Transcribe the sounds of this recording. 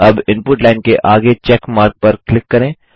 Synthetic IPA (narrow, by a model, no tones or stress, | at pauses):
ɐbɪ̃npʊʈlaːɪnkeʔaːɡet͡ʃɛːkmaːɾk̚pɐɾklɪkːɐɾẽː